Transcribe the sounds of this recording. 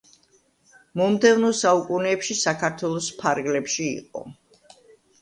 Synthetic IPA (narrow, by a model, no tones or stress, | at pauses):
mɔmd̪ɛvnɔsaukʼunɛːpʃisakʰaɾt̪ʰwɛlˠɔspʰaɾɡlɛpʃḭːqʼɔ̰